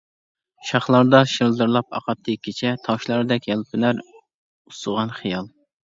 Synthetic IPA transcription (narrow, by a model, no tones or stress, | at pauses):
ʃɑχlˠɑɾd̪ɑʃɨɾlˠd̪ɨɾlˠɑp̚ɑ̰qɑt̪ʰːɨikʲʰːit͡ʃʰɛt̪ʰɑwʃlˠɑɾɨd̪ɛkʲjɛlˠpʰɪnæɾ | usəʁɑnχijɑlˠ